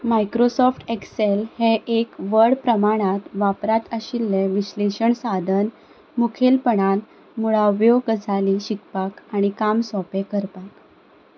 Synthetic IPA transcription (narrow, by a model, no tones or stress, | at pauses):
majkɾosɔfʈekselheʔekʋəɽpɾəmaɽ̃at̪ʋapɾat̪əɕilːeʋiɕleɕəɳsad̪ʱən | mukʰelpəɳal | muɭaʋjoɡəd͡zʱaliɕikpakaɽ̃ikamsɔpẽkəɾpak